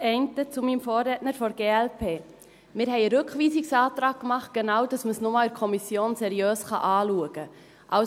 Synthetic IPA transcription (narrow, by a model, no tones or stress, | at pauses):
ɛɪntət͡sumimfoːɾrɛːtnəɾfɔɾɡ̥eːɛlpʰeː | mɪːɾɦɛɪəɾɵkχʋiːsɪksɑːtɾɑːɡ̚kmɑχt̚ɡ̥ɛnɑwd̥ɑsməsnʊmɑlɛɾkʰɔmisjoːnsɛɾiøːsχɑ̰ʔɑːluəɡ̥ə | ʔɑ